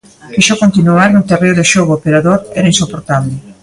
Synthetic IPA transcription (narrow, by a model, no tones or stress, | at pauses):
keʃokont̪inuaɾnʊt̪ereoðɪʃoɣoopeɾaðoɾɛɾɐinsopoɾt̪aβlɪ